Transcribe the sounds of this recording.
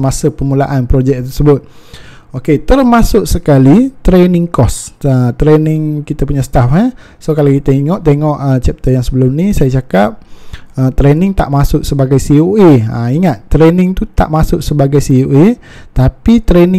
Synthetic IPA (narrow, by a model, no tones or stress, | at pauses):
masəpəmulaʔanpɾod͡ʒɛk̚t̪ərsəbʊt̪̚ | oket̪ərmasʊʔsəkalit̪ɾenɪŋkɔsət̪ɾenɪŋkit̪apuɲasə̥t̪afə | sokalakit̪əiŋɔʔt̪eŋɔʔət͡ʃɛp̚t̪əjaŋsəbəlʊmnisajat͡ʃakap̚ət̪ɾenɪŋt̪a̰ʔmasʊʔsəbaɡajsioʔea̰iŋat̪ːɾenɪŋt̪ut̪a̰ʔmasʊʔsəbaɡajsioʔe | t̪apit̪ɾenɪ